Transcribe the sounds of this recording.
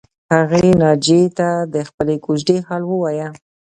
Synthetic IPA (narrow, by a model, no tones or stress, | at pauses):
haɣenɑd͡ʒet̪ad̪əxpəlekud͡ʒɖehɑlwəwɑja